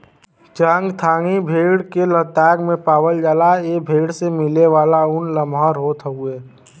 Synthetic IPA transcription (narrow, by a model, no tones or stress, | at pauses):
t͡ʃəŋɡt̪ʰaːŋibʱeːɽkelət̪ɛːɡmẽpaːwəld͡ʒaːlaeːbʱeːɽsemɪleʋaːlaʊnləmɦəɾɦoːt̪əɦueː